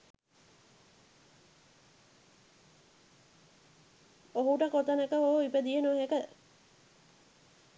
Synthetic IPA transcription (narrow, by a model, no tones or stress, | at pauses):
oɦuʈəkot̪ɐnəkəɦoipəd̪ijenuəɦekə